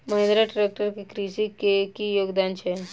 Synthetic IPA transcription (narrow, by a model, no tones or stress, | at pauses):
məɦẽnd̪ɾəʈɾek̚ʈəɾkikɾisikekijoɡd̪ant͡ɕʰe